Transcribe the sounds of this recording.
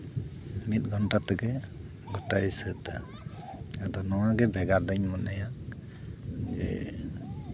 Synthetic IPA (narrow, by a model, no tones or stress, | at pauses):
mit̪̚ɡʱɔnʈat̪ɛɡɛ | ɡɔʈajsət̪a̰ | ad̪ɔnɔwaɡɛbʱɛɡaɾd̪əɲmɔnaja | d͡ʒɛ̰